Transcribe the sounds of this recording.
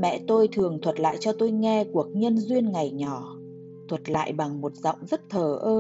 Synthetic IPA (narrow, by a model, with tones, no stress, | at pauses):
mɛ̰˧˨t̪o˧jt̪ʰɨ˨˩əŋt̪ʰwə˨˩t̚la̰ː˧˨jt͡ɕɔ˧t̪o˧jŋɛ˧ku˧˩ək̚ɲə˧nzwi˧ənŋa˨˩jɲɔ˧˩˦ | t̪ʰwə˨˩t̚la̰ː˧˨jɓa˨˩ŋmo˨˩t̚zɔ̰˧˨wŋ͡mzə˦˥t̚t̪ʰəː˧˩ʔəː˧